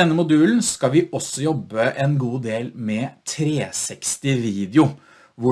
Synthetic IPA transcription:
ɛnːəmʊd̪ʉːln̩skɑʋɪɔsːɔjɔbːəʔɛnɡuːd̪eːlmɛt̪ʰɾeːsɛkst̪ɪʋiːd̪jʊ | ʋʊ

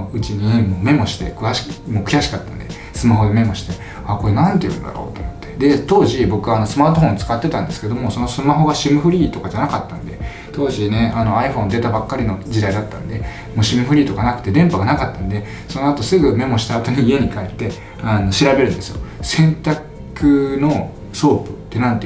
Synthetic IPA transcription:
ɯ̟t͡ɕiɲ̟imo̞ːme̞mo̞ɕi̥t̪e̞kɯ̟aɕi̥moːkjaɕi̥kat̪ːã̰nd̪e̞ | sɨmaɦo̞d̪e̞me̞mo̞ɕi̥t̪e̞ | ako̞ɾe̞nãnt̪eɯ̟̰n̰d̪a̰ɾo̞ːt̪omot̪ːe̞̥d̪e̞t̪o̞ːʑibo̞kɯβaːno̞sɨmaːt̪o̞hõ̞nɲt͡sɨ̥kat̪ːe̞t̪ãnd̪e̞sɨ̥ked̪o̞mo̞so̞no̞sɨmaɦo̞ɡaɕimɯ̟ɸɯ̟ɾʲiːt̪o̞kad͡ʑanakat̪ːãnd̪e̞ | t̪o̞ːʑine̞ano̞aiɸõ̞nd̪e̞t̪abakːaɾʲino̞d͡ʑid̪aid̪at̪ːã̰nd̪e̞ | mo̞ːɕimɯ̟ɸɯ̟ɾʲiːt̪o̞kanakɯ̟t̪e̞d̪ẽ̞mpaɡanakat̪ːãnd̪e̞ | so̞no̞at̪o̞sɨɡɯ̟me̞mo̞ɕi̥t̪aːt̪o̞ɲ̟iːe̞ɲ̟ikaet̪ːe̞ | ano̞ɕiɾabe̞ɾɯ̟̃nd̪esɨjo̞sẽ̞nt̪a | kɯ̟no̞ | so̞ːpɯ̟̥t̪ːe̞nãnt̪e

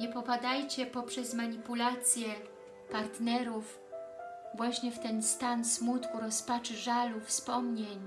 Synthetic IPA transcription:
ɲɛpɔpad̪ajt͡ɕɛpɔpʂɛzmaɲipulat̪sʲjɛ | paɾt̪nɛɾuf | vwaɕɲɛft̪ɛnst̪ansmut̪kuɾɔspat͡ʂɘʐalufspɔmɲeɲ

